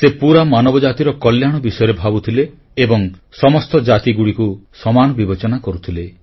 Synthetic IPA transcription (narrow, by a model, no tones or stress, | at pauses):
sepuɾamanɔbɔd͡ʒat̪iɾɔkɔljaɽ̃ɔbisɔjɔɾebʱabut̪ʰileː | bɔŋsɔmɔst̪ɔd͡ʒat̪iɡuɽikusɔmanɔbibet͡ʃɔnakɔɾut̪ʰile